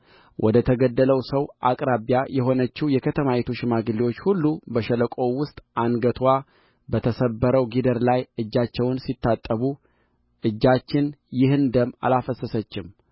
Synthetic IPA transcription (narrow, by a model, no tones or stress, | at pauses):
wʔɔd̪ət̪ʰəɡəd̪ːələwsəwʔakʼɾabjajɛɦo̞nət͡ʃːijɛkʰət̪ʰəmajet̪ʰuʃɪmaɡɨlːiwot͡ʃːhulːubəʃələkʼo̞wʊst̪ʼanɡət̪ʰwa | bət̪ʰəsəbːəɾəwɡid̪əɾlajɨd͡ʒːat͡ʃːɛwnsit̪ːat̪ʼːəβu | ʔɨd͡ʒːat͡ʃːɪnjɪhɨnd̪əmːa̰lafəsəsət͡ʃːɪm